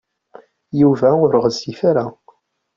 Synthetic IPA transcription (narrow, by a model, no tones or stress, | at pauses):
juvæʊɾəʁəzːifaɾa